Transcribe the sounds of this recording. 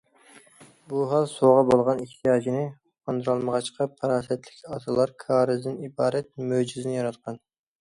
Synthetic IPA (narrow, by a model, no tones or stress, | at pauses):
buɦɑlˠsoʁɑbolˠʁɑniht̪ʰijɑːd͡ʒinɪ | ɑnd̪ɨɾɑlˠməʁɑt͡ʃqʰɑpʰɑɾɑːsɛt̪lɪkʲʰɑt̪ʰɨlˠɑɾkʰɑːɾɨzd̪ɪnibɑːɾɛt̪̚mød͡ʒizɪnɪjɑɾɑt̪̚qʰɑn